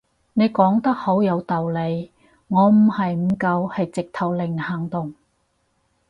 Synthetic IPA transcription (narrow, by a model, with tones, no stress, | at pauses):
ne˨˧jkɔː˨˥ŋt̪ɐ˥k̚ho˨˥wjɐ˨˧wt̪ɐ˨wle˨˧j | ŋɔː˨˧m̩˨˩hɐ˨jm̩˨˩kɐ˧whɐ˨jt͡sɪ˨k̚t̪ʰɐ˨˩wlɪ˨ŋhɐː˨˩ŋt̪ʊ˨˩ŋ